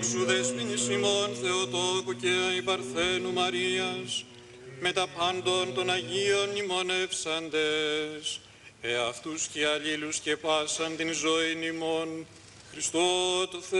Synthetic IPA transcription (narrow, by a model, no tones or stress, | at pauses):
ksuðezmiɲisnimo̞nθe̞ot̪okuceipɐɾθe̞numɐɾiɐs | me̞t̪ɐpɐnd̪o̞nt̪o̞nɐʝio̞nːimo̞ne̞fsɐnd̪e̞s | eɐft̪usceɐʎilusce̞pɐsɐnt̪inzo̞inimo̞n | xɾist̪ot̪oθ